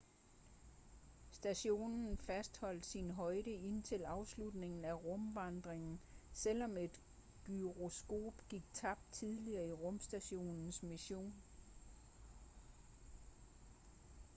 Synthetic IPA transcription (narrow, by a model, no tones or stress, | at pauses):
sd̥æɕo̝̰ːnn̩fæsd̥hɒ̽l̰d̥sinɦɒ̽ɪɾəe̝nt͡sʰe̝lɑ̈ʊslud̥ne̝ŋn̩æʁɔ̽mʋɑ̈nd̥ʁeŋn̩sel̰ɒ̽me̝d̥ | ɡ̥yʁosɡ̥o̝̰ːb̥ɡ̥iɡ̥̚t͡sʰɑ̈b̥̚d̥t͡sʰiðˠliɐːiʁɔ̽msd̥æɕo̝̰ːnn̩smiɕo̝̰ːn